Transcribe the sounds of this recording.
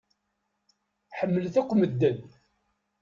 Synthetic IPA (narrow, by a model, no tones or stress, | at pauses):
ħəmːəlθæqʷːməd̪ːən